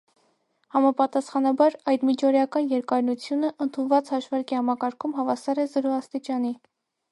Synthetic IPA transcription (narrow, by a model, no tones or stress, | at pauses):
hɑmɑpɑt̪ɑsχɑnɑbɑɾɑjd̪mit͡ʃʰɔɾjɑkɑnjɛɾkɑɾnut͡sʰjunəʔənt̪ʰunvɑt͡shɑʃvɑɾkihɑmɑkɑɾkʰumɦɑvɑsɑɾɛzɔɾɔɑst̪it͡ʃɑni